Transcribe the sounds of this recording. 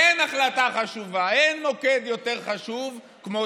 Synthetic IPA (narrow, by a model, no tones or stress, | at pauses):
enaχlataχaʃuvaenmoked̪jo̞te̞ʁχaʃuv | kmo